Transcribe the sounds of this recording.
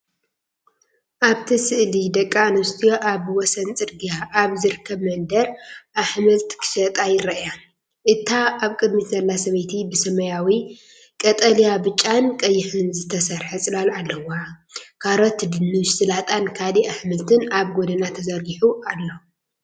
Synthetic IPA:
ʔaβt̪ʰisɨʔlid̪ɐkʼːanɐst̪ʰijo̞ʔaβwɔsɐnt͡sʼɨɾɡijaʔːβzɨɾkʰɐβmɐnd̪ɐɾʔaħmɐlt̪kʰɨ̥ʃɐt̪ʼajɪɾɐʔja | ʔɨt̪ʰːaʔaβkʼɨd̪mit̪zɐlːasɐβɐjt̪ʰibɨsɐmɐjawi | kʼɐt̪ʼɐlijabɨt͡ʃʼːankʼɐjːɪħɨnzɨt̪ʰɐsɐɾħɐsʼɨlalalːɐwa | kʰaɾot̪d̪ɨnɨʃsɨlat̪ʼankʰaliaħmɨlt̪ʰɨnaβɡod̪ɐnat̪ʰɐzɐɾɡiħuʔalːo

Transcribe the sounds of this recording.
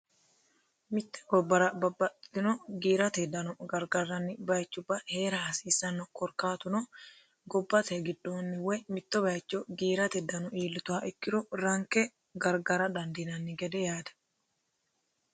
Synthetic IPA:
mɪt̪ːɛ̥ɡɔbːɐɾɐbɐbːɐɪnɔɡiːɾɐt̪ɛd̪ɐnɔɡɐɾɡɐɾːɐnːɪbɐjt͡ʃːʊbːɐhe̞ːɾɐhɐsiːsːɐnːɔkɔɾkaːt̪ʊnɔ | ɡɔbːɐt̪ɛɡɪd̪ːoːnːɪwɛmɪt̪ːɔbɐjt͡ʃːɔɡiːɾɐt̪ɛd̪ɐnɔʔiːlːɪt̪ʊaʔɪkːɪd̪ɔɾɐŋkːɛ | ɡɐɾɡɐɾɐd̪ɐnd̪inɐnːɪɡɛd̪ɛjaːd̪ɐ̥

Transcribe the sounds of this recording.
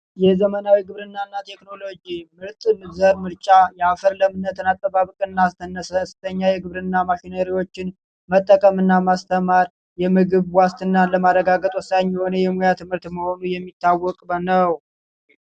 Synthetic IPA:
jɛzəmənawiɡɨβɾɨnːanːat̪ʰe̞kno̞lo̞d͡ʒimɨɾt̪ʼnɨzəɾmɨɾt͡ʃʼajɛafəɾləmɨnːət̪ɨnat̪ʼːəβaβɨkʼɨnːast̪ənːəsəst̪ʰəɲːajɛɡɨβɾɨnːamaʃinəɾiwo̞t͡ʃːɪn | mət̪ʼːəkʼəmɨnːamast̪ʰəmaɾ | jɛmɨɡɨβwast̪ʰɨnːaləmarəɡaɡət̪ʼwɔsaɲːiho̞nəjɛmujat̪ʰɨmhɨɾt̪məho̞nujɛmːit̪ʰːawːɔkʼbənəw

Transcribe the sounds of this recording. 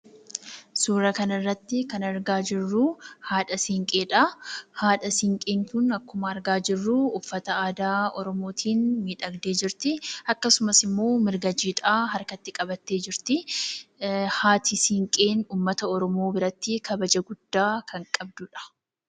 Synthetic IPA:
suːɾɐkɐnɪrːɐt̪ːɪkɐnɐɾɡaːd͡ʒɪrːuːhaːᶑɐsɪŋkʼeːᶑɐhaːᶑɐsɪŋkʼeːŋkʊnɐkːʊmɐɐɾɡaːd͡ʒɪrːuːʊfːɐt̪ɐaːd̪aːɔɾɔmo̞ːt̪ʰiːnmiːᶑɐɡd̪e̞ːd͡ʒɪɾt̪ɪɐkːɐsʊmɐsɪmːo̞ːmɪɾɡɐd͡ʒiːᶑ̪ʼaːɦɐɾkɐt̪ːɪkʼɐbɐt̪ːe̞ːd͡ʒɪɾt̪ɪ | haːt̪ʰɪsɪŋkʼeːnuːmːɐt̪ɐɔɾɔmo̞ːbɪɾɐt̪ːɪkʰɐbɐd͡ʒɐɡʊd̪̥ːaːkʰɐŋkʼɐbd̪ʊᶑɐ̥

